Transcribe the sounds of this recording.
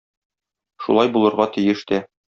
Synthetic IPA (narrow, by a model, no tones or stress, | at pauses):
ʃṵlˠɑjbulˠɤ̆ɾʁɑt̪ɘ̆jɘʃt̪æ